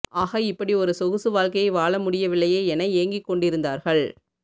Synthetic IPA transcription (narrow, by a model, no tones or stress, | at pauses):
aːɣɐɪpːɐɽiɔɾɯsɔɣɯsɯʋaːɻkɐjɐɪʋaːɭɐmʊɽɪjɐʋɪɭːɐjeːɛnɐɪeːŋɡɪkːɔɳɖɪɾɯnd̪aːɾɣɐɭ